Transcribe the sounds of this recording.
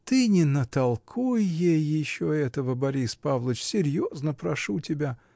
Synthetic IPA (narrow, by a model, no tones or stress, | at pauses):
t̪ɨnʲɪnət̪ɐlˠkʰujjejːɪɕːoɛt̪əvəbɐɾʲispavlˠət͡ɕsʲɪɾʲjoznəpɾɐʂutʲɪbʲa